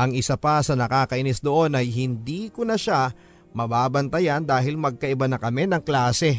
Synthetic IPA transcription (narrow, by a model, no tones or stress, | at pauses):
ʔɐŋɪsapasɐnɐkaːkɐʔɪnɪsd̪oʔo̞nʔɐjɦɪnd̪iːkonɐʃa | mɐbaːbɐnt̪ɐjand̪aːɦɪlmɐɡ̚kɐʔɪbanɐkɐmɛnɐŋklaːsɛ